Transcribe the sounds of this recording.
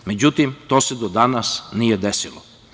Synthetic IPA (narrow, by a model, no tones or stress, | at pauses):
me̞d͡ʑut̪imt̪o̞ːsed̪od̪anasnijed̪esilo